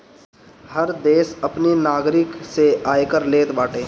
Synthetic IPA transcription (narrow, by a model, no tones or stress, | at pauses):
həɾd̪eːsɐpninaːɡɾɪkseaːekəɾleːt̪baːʈeː